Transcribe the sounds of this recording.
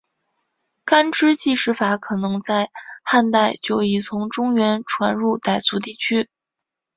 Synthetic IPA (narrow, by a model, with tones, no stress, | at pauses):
ka˥nʈ͡ʂɻ̩˥t͡ɕi˥˧ʂɻ̩˥˩fa˧˥kʰɤ˨˩nɤ˧˥ŋt͡sa˥˧ɪxa˥˧nt̪a˥˩ɪt͡ɕjo˥˩ʊi˨˩t͡sʰʊ˧˥ŋʈ͡ʂʊ˥ŋɥɛ˧˥nʈ͡ʂʰwa˧˥nɻu˥˧t̪a˥˩ɪt͡su˧˥t̪i˥˩t͡ɕʰy˥